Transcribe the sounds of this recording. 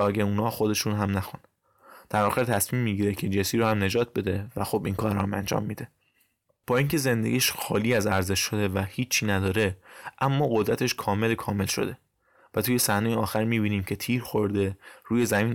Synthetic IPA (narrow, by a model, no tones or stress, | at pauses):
ɒːɡæuːnɒːxod̪e̞ʃuːnɦæmnæxun | d̪̥æɾvɒːɣet̪ʰæsmiːmːiɟiːɾecʰed͡ʒensiːɾohæmne̞d͡ʒɒːt̪̚ʰbe̞d̪e̞væxobiːnkʰɒːɾɒhæmæ̰nd͡ʒɒ̰ːmːiːd̪e̞ | b̥ɒːiŋcʰe̞ze̞nd̪eɡʲiːʃxɒːliːæzæɾze̞ʃːo̞d̪e̞væhiːt͡ʃʰːiːnæd̪ɒːɾe̞ʔæmːɒːɣo̞d̪ɾæt̪ʰe̞ʃkʰɒːme̞lkʰɒːme̞lʃo̞̰d̪e̞ | væt̪uːjesæhnejeɒːxæɾmiːbiːniːmcʰe̞t̪ʰiːɾxo̞ɾd̪e̞ɾuːje̞zæmiːn